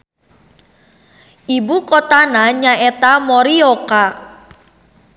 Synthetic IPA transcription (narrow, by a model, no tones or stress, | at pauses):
ibukot̪anaɲaʔɛt̪amɔɾioka